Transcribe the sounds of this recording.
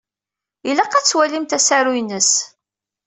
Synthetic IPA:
ilæqːæt͡sːwælimt̪æsæɾujnəs

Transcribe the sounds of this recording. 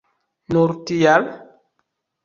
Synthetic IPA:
nuɾtijal

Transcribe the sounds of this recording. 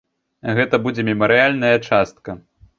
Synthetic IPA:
ɣɛt̪ɐbud͡zʲɛmʲimɐɾɨjalʲnɐjɐt͡ʂast̪kɐ

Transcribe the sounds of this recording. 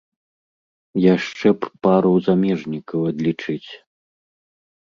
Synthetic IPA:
jaʂt͡ʂɛppaɾɐwzamʲɛʐnʲikɐwɐd̪lʲit͡ʂɨt͡sʲ

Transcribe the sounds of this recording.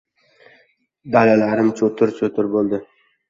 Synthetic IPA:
d̪alalaɾɪmt͡ʃʰot̪ʰʊɾt͡ʃʰot̪ʰɪɾbolˠd̪ɪ

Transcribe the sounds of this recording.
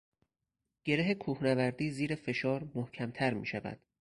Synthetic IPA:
ɟ̥e̞ɾeɦekʰuːhnævæɾd̪iːziːɾefe̞ʃɒːɾmohcʰæmt̪ʰæɾmḭːʃævæ̰d̪̥

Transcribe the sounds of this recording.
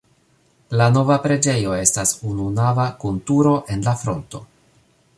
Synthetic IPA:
lano̞vapɾe̞d͡ʒe̞jo̞e̞stasununavakuntuɾo̞ʔe̞nlafɾo̞̰nto̞̰

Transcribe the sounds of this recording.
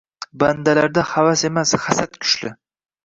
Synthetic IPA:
band̪alaɾd̪ahavase̞masχasat̪kʲʰʊ̥ʃlɪ

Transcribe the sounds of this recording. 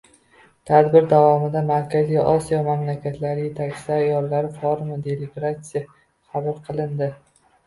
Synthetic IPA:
t̪ʰad̪bɪɾd̪avɒmɪd̪amaɾkʲazijɒsijɒmamlakʲʰat̪ʰlaɾɪje̞t̪ʰakʲt͡ʃɪ̥aːjɒlˠːaɾɪfɒɾmad̪e̞lɪɡɾat̪sɪja | χabɪɾqʰɨlˠɪnd̪ɪ

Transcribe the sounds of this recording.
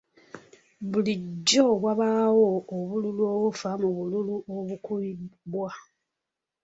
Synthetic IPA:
βuliɟːoβwaβawooβululuoβufamuβululuoβukuibwa

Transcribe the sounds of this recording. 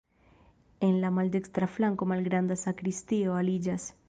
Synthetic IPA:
enlamald̪ekst̪ɾaflaŋkomalɡɾand̪asakɾist̪ioalid͡ʒas

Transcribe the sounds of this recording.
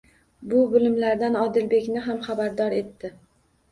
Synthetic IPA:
bʊbʊlɪmlaɾd̪anɒd̪ɪlbe̞kʲnɪɦamχabaɾd̪ɒɾe̞t̪ːɪ

